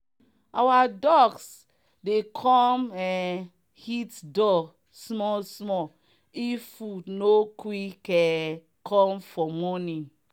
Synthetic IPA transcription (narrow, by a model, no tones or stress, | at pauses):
awadɔɡs | dekʰɔmɛ | hitdɔ | smɔsmɔ | ifunokwikɛ | kʰɔ̃mfɔmɔnĩ